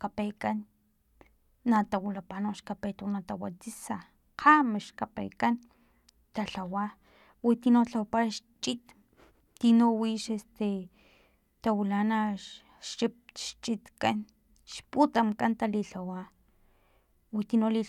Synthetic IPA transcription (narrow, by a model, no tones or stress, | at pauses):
kapekan | at̪awulapanoʃkapet̪unat̪awat͡sisa | qʰamiʃkapḛkan | t̪aɬawa | wit̪inot͡ɬawapaʃt͡ʃit̪ | t̪inowiʃest̪e | t̪awilana | ʃip̚ʃt͡ʃʼit̪kan | ʃput̪amkant̪aliɬawa | wit̪inoli